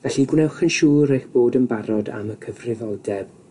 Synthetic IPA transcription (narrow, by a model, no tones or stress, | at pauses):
vɛɬiɡwnɛwχənʃuːɾejxb̥oːdənbaɾɔda̰məkʰəvrɪvɔlˠdɛb̥